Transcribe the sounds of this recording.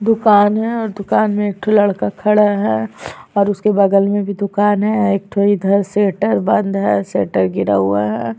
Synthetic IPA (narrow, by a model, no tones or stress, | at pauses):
d̪ʊkaːnɦɛɔːɾd̪ʊkaːnmẽeːk̚ʈ̪ʰolɐɽkakʰɐɽaɦɛɔːɾʊskebɐɡəlmẽbʱid̪ʊkaːnɦɛeːk̚t̪ʰoːɽid̪ʱɐɾseːʈəɾbɐ̃nd̪ɦɛːseːʈəɾɡɪɾa̰ɦuaɦɛː